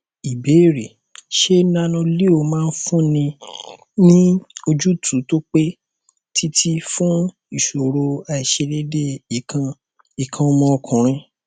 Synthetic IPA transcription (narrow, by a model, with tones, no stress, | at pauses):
i˨be˨˦i˦˨ɾe˨ | ʃe˦na˦nũ˧li˦o˧˨mãː˦˧n̩˦fũ˦nĩ˧ | nĩ˦o˧d͡ʒu˦tʰu˨˦to˦k͡pe˦ | tʰi˦tʰi˦fũ˦ | i˨ʃo˨ɾo˧a˧˨i˨ʃe˧le˦de˦i˨kã˧ | i˨kʰã˧o˧mɔ̃˧ɔ˧kʰũ˨ɾ̃ĩ˧˦